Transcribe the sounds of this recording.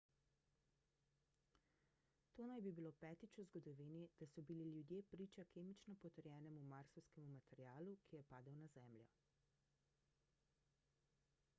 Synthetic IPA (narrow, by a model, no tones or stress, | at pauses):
t̪oːnajbibilopɛːt̪it͡ʃuzɡɔd̪ɔʋiːnid̪asɔbililjud̪jeːpɾiːt͡ʃakeːmit͡ʃnɔpɔt̪əɾjɛːnɛmumaɾsɔwskɛmumat̪ɛɾjaːlukʰijɛpaːd̪əwnazɛːmljɔ̰